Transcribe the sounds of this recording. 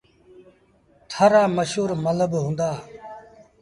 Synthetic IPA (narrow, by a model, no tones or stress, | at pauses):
t̪ʰaːɾaːməʃuːɾmələbɦũːnd̪aː